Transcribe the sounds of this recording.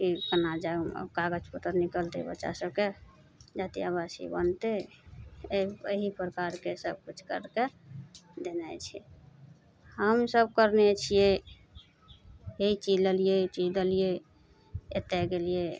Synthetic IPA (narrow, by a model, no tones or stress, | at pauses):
kikənad͡ʒa̰kaɡəd͡ʒpət̪əɾnikəlt̪ḛbə̰tːʃa̰səb̚ke | d͡ʒat̪ijabasḭbə̰nt̪e | eiḛɦipɾəkaɾkesəb̚kut͡ʃʰkə̰ɾke | d̪enɛ̰t͡ʃʰɛ | həmsəb̚kəɾnet͡ʃʰije | eit͡ʃid͡ʒleliet͡ʃid͡ʒd̪elije | et̪ɛɡelije